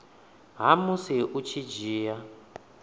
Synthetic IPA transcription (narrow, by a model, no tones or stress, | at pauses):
ɦamusiʔut͡ʃʰid͡ʒiːja